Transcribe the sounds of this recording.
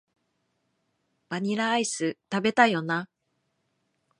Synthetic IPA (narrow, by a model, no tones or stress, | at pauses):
b̥aɲ̟iɾaːisɨt̪abe̞t̪ajo̞na